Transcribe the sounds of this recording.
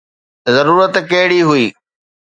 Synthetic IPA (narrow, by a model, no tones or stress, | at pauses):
zɐɾuːɾət̪kɐɦɪɽiɦʊiː